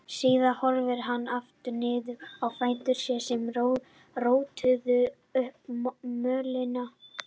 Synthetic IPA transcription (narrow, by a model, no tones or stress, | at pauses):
siːðahɔɾvɪɾ̥ɦanːaft̪ʏnɪːðʏawfaːjnt̪ʏɾ̥sjɛsɛm | roːwt̪ʰʏðʏ | ʏhpmœːlɪna